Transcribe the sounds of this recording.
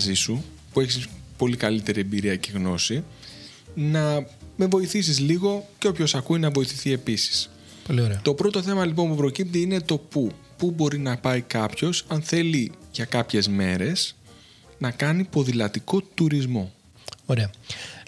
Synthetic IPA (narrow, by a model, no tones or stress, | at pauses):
zisu | pue̞çispo̞likɐlit̪e̞ɾie̞mbiɾiɐceɣno̞si | nɐme̞vo̞iθisizliɣo̞ceopço̞sɐkuinɐvo̞iθiθie̞pisi̥s | polioɾet̪o̞pɾo̞t̪oθe̞mɐlip̬o̞npupɾo̞cip̚t̪iine̞t̪o̞pu | pubo̞ɾinɐpɐikɐpço̞sɐnθe̞liʝɐkɐpçe̞zme̞ɾe̞s | nɐkɐnipo̞ðilɐt̪iko̞t̪uɾizmo̞ | oɾeɐ